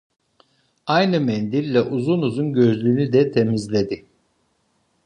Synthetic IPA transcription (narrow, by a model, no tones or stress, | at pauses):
ajnɯmɛnd̪iɾlʲɛʔuzunuzunɟø̞zlʲyːnyd̪ɛt̪ʰemizlʲed̪i